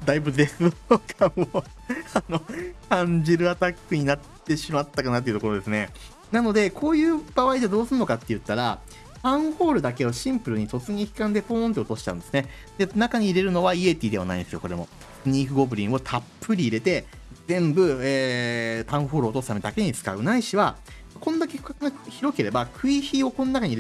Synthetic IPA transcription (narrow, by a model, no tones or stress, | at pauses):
d̪aibɯ̟d̪e̞sɨokamo | ano̞kãɲd͡ʑiɾɯ̟at̪akːɯ̟ɲ̟inat̪ːe̞ɕimat̪ːakanat̪eiɯ̟t̪okoɾod̪e̞sɨne̞ | nano̞d̪e̞kʰo̞ːjɯ̟ːb̥aβaidead̪o̞ːsɨɾɯno̞kat̪ːe̞jɯ̟t̪ːaɾa | t̪ãɰ̃ɸo̞ːɾɯ̟d̪ake̞o̞ɕĩmpɯ̟ɾɯ̟ɲ̟iso̞t͡sɨɲ̟içi̥kãnd̪e̞ɸõnt̪̬e̞ot̪o̞ɕi̥t̪ã̰nd̪e̞sɨne | d̪̥e̞nakaɲ̟iːɾe̞ɾɯ̟no̞βaie̞t̪ʲiːd̪e̞a̰na̰ĩd̪esɨjoko̞ɾe̞mo̞̰ | sɨɲ̟iːɸɯ̟ɡo̞bɯ̟ɾʲĩɰo̞t̪ʰapːɯɾʲiːɾe̞t̪e̞ | zẽ̞mbɯ̟eːt̪ãɰ̃ɸo̞ːɾɯot̪o̞sɨ̥t̪amed̪ake̞ɲ̟it͡sɨ̥ka̰ɯ̟naiɕiβa | kõ̞nd̪ake̞ɸɯ̟kakaŋaçiɾo̞ke̞ɾe̞bakʰɯ̟içio̞kõ̞nːonakaɲiɾe